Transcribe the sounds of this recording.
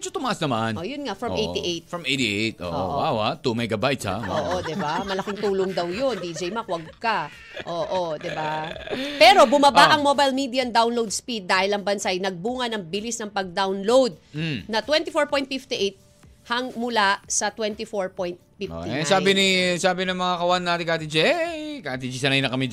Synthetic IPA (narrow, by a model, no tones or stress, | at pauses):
t͡ʃot̪ʊmɐʔasnɐmanʔojʊnŋaʔfɹɐmʔej̪iʔejt̪fɹɐmejt̪iet̪ʔo̰ʔoo̰ʔwawat̪umɛɡɐbajt̪sa̰woːʔod̪ɪbamɐlɐkiŋt̪uːloŋd̪ɐwjond̪id͡ʒɛjmɐkwɐɡ̚kɐ | ʔoːʔod̪ɪbapɛːɾo̞bʊmɐbaʔɐŋmobajlmid̪iɐnd̪awnlowd̪̚spid̪̚ːaːhɪlɐŋbɐnsajnɐɡ̚buːŋɐnɐŋbɪlisnɐŋpɐɡ̚d̪awnlowd̪̩̚nɐt̪wɛnt̪ɪfoɹpojnt̪̚fift̪iʔejt̪̚ | hɐŋmʊlasɐt̪wɛnt̪ɪfoɹpojnt̪̚fifsaːbɪnɪsaːbɪnɐŋmɐŋakɐwanːat̪ɪkaːt̪id͡ʒɛkat̪id͡ʒisɐnajnɐkɐmi